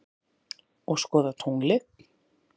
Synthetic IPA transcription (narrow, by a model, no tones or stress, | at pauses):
ɔɣskɔːðat̪ʰuŋlɪ